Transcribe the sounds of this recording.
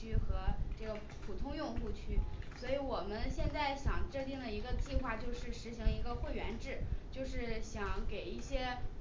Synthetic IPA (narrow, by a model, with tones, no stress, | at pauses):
y˥xɤ˧˥ʈ͡ʂɤ˥˩ɡə˩ | pʰu˨˩t̪ʰʊ˥ŋjʊ˥˧ŋxu˥˧t͡ɕʰy˥˩swɔ˧˥i˧˥wɔ˨˩mə˦nɕjɛ˥˧nt͡sa˥˩ɪɕjɑ˨˩ŋʈ͡ʂə˥˧t̪i˥˩ŋd̪ə˩i˧˥ɡə˧t͡ɕi˥˧xwa˥˧t͡ɕjo˥˧ʊʂɻ̩˥˩ʂɻ̩˧˥ɕi˧˥ŋi˧˥ɡə˧xwe˥˩ɪɥɛ˧˥nʈ͡ʂɻ̩˥˩t͡ɕjo˥˧ʊʂɻ̩˥˩ɕjɑ˧˥ŋke˨˩ɪi˥˩ɕjɛ˥